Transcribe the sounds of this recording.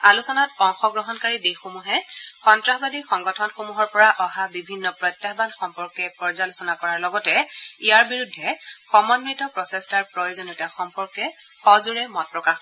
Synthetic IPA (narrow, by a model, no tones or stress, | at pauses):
alusɔnatɔŋxɔɡɹɔɦɔnkaɹidexomuɦɛxɔntɹaxbadixɔŋɡɔtʰɔnxomuɦɔɹpɔɹaʔɔɦabibʱinːɔpɹɔjtjaxbanxɔmpɔɹkɛpɔɹzalusɔnakɔɹaɹlɔɡɔtɛijaɹbiɹudʱːɛxɔmɔnmɹitɔpɹɔsestaɹpɹɔjozonitaxɔmpɔɹkɛ | xɔzuɹɛmɔt̚pɹɔkax